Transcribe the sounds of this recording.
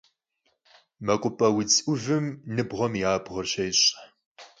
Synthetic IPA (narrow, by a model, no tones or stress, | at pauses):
mɐkʷʼʊpʼɐwit͡sʼʊvɨmnɨbʁɐmjaːbʁɐrɕejɕʼ